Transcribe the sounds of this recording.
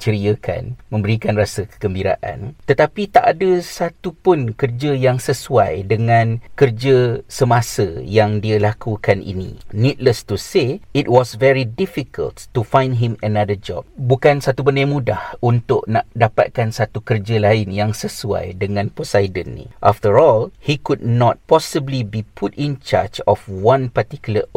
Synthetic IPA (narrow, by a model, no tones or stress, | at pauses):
t͡ʃəɾiəkʰa̰nmə̃mbəɾikanrasəkə̥kəmbiɾa̰ʔa̰nt̪ət̪apit̪aʔadəsat̪upʊnkərd͡ʒəjaŋsəsuajdəŋãnkərd͡ʒəsəmãsəjaŋdialakukanḭnḭnĩt̚ləst̪useit̚wɔsvɛɹidifikʰə̰ltːufãj̃ndɦĩmənadəd͡ʒɔ̰b̚bukansat̪ubəndajmũdahunt̪ʊʔ̚naʔdapa̰t̪̚kansat̪ukərd͡ʒəlaɪnjaŋsəsua̰jdəŋãnposajdənːḭ̃ʔaft̪əɹɔlhikud̚nɔt̪̚pɔsəblibipʰutĩnt͡ʃa̰d͡ʒɔfwãnpat̪ikuləʔ